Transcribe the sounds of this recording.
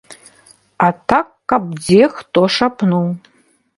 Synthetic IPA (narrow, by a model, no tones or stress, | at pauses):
atʰakːab̚d͡zextʼoʂapʰnow